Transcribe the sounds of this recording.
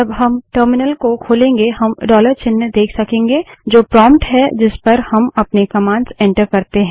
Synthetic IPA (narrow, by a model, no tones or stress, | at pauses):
ɐbɦɐmʈəːɾmɪnəlkokʰoːlẽːŋɡeɦɐmɖɔːləɾt͡ʃɪnːd̪eːkʰsɐkẽːŋɡed͡ʒoːpɾɔːmpʈɦɛd͡ʒɪspɐɾhɐmɐpnekɐmãːɳɖsɛ̃ɳʈəɾkɐɾt̪eɦɛ̃ː